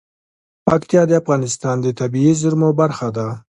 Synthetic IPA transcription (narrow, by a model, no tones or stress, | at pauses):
pakt̪ijɑd̪eafɣɑnɪst̪ɑnd̪ət̪abiizʊɾmobaɾxad̪a